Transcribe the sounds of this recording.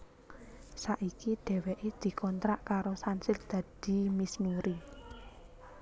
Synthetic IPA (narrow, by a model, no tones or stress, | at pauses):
saʔikid̪̥ɛ̤wɛʔed̪̥i̤kɔnt̪ɾaʔkaɾosansɪld̪̥ä̤d̪̥i̤misnuɾi